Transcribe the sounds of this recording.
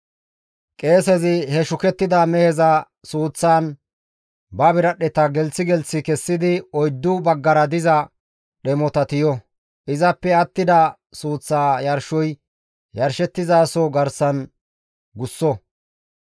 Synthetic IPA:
kʼe̞ːsɛzɪhɛʃʊkɛt̪ːɪd̪amɛhɛzɐ | suːt͡sːaːn | bɐbɪɾɐɗɛt̪ɐɡɛlt͡sːɪɡɛlt͡sːɪkɛsːɪd̪ɪɔjd̪ːʊbɐɡːɐɾɐd̪ɪzɐ | ɗɛmɔt̪ɐt̪ɪjɔ | ʔɪzɐpːɛɐt̪ːɪd̪ɐ | suːt͡sːaːjɐɾʃɔj | jɐɾʃɛt̪ːɪzaːsɔɡɐɾsɐn | ɡʊsːɔ

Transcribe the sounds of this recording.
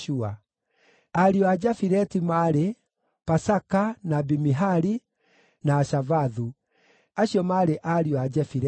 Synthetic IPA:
ua | aɾiɔad͡ʒafiɾɛtimaɾe | pasakanabimiɦaɾi | naːʃavaðu | aɕjɔmaɾeʔaɾiɔad͡ʒafiɾɛ

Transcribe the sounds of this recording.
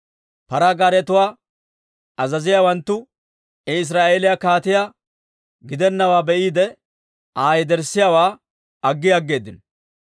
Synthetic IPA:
pɐɾaɡaːɾɛt̪ʊwaː | ɐzɐzɪjawɐnt̪ːʊ | ɛɪs̬ɾaːʔe̞ːlɪjakaːt̪ɪja | ɡɪd̪ɛnːɐwaːbɛʔiːd̪ɛ | aːjɛd̪ɛɾsːɪjawaː | ɐɡːɪjaɐɡːe̞ːd̪ːɪn

